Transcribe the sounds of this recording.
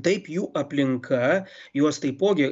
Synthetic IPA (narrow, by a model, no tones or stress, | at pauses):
t̪ɐɪpjuːʔɐpʲlʲɪŋkʰɐ | juɔst̪ɐɪpoːɡʲe